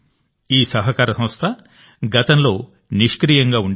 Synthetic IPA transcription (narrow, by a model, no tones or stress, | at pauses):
iːsɐɦɐkaːɾɐsɐ̃mɐst̪ʰɐ | ɡɐt̪ɐnlo̞ː | niʂkɾijɐŋɡaːuɳɖ